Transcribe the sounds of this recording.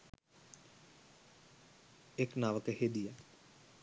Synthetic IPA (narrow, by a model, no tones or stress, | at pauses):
eknaːʋəkheːd̪ijaː